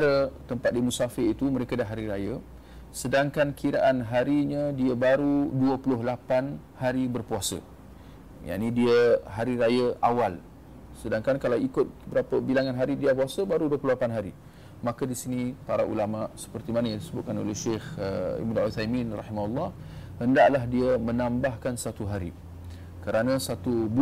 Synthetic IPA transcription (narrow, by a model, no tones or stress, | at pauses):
ɾət̪əmpat̪̚dimusafɪrit̪uməɾekadaɦaɾiɾajə | sədaŋkankʰiɾaʔanɦaɾiɲədiəbaɾuduəpulʊɦlapan | haɾibərpuasə̰ | ja̰ʔnidiəɦaɾiɾajəawal | sədaŋkankalawikʊt̪̚bəɾapəbilaŋanɦaɾidiapuasəbaɾuduəpulʊlapanɦaɾi | makədisinipaɾaʔṵlamaʔsə̥pərt̪imanajaŋdisəbʊt̪̚kano̰lehʃexəḭbnṵθajminrɑ̰himaulːɑh | həndaʔlaɦdiəmə̃nãmbahkansat̪uɦaɾḭ | kəɾanasat̪ub